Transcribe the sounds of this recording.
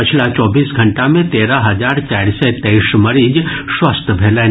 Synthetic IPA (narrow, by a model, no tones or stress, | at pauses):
ət͡ʃʰlat͡ʃɔbiːsɡʱəɳʈamẽt̪eɾaɦɐd͡ʒaɾt͡ʃajɾset̪ejʃməɾiːd͡ʒʃʋəst̪ʰbʱele